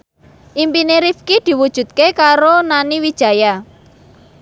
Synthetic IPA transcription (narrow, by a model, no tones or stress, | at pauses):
ʔimpineɾifkid̪̥i̤wud̥ʒ̥ṳt̪̚kekaɾonaniwid̥ʒ̥a̤ja